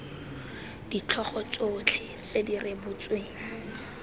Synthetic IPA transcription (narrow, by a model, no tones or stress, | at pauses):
d̥it͡ɬʰɔχɔt͡sot͡ɬʰɪ | t͡sedirebʊt͡sweːŋ̩